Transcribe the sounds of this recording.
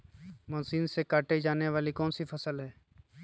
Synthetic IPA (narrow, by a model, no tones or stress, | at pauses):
mɔːsiːnsekaːʈed͡ʒaːneʋaːlikɔːnsifɐsəlɦɛː